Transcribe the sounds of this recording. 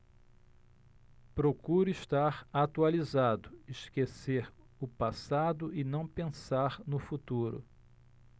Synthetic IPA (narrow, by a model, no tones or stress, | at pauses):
pɾokuɾʊiʃt̪aɾat̪ualizad̪ʊɪʃkeseɾ | ʊpasad̪ʊʔɪnɐ̃w̃pẽsaɾnʊfut̪uɾʊ̰